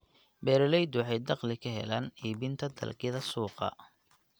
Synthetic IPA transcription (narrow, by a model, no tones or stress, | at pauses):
bɛːɾɛlɛjd̪wɑħɑjd̪ɑqlɪkʰɐɦɛ̰laːniːbɪnt̪ʰɐd̪ɐ̰lkʰɪðɐsuːqɑ̰